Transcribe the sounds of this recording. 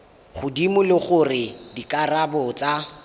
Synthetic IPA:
χʊdimʊlɪχʊrɪdikʼarabʊt͡sʼa

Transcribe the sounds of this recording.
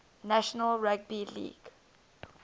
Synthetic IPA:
naʃɔnalɹaɡ̚bilḭːɡ̥

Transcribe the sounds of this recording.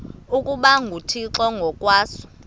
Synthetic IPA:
ukʼuɓaŋɡʱutʰiǁɔŋɡʱɔkʼwaːsɔ̥

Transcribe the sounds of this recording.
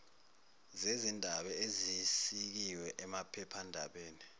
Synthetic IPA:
zezindʱaɓɛezisik̬iwɛʔɛmapʰɛpʰandʱa̰ɓeːni

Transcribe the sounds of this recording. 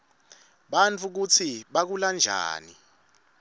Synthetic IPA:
ɓant͡fʰuk̬ut͡sʰiɓak̬uland͡ʒʱa̰ːni

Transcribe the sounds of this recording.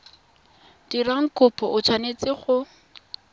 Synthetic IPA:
d̥iraŋ̩kʰʊpʰɔʔʊt͡ʃʰwanet͡sɪχʊ

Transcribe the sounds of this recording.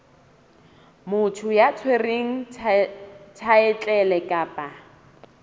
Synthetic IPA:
mʊtʰʊjat͡sʰwereŋ̩ | tʰaɛt͡ɬʼɛlɛkʼapʼa

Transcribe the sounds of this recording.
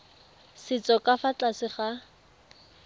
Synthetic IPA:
sɪt͡sʼɔkʼafat͡ɬʼasɪχa

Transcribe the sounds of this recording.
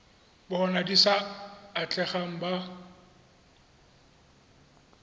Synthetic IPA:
bɔɔnadisaːt͡ɬʼɛχaŋ̩ba

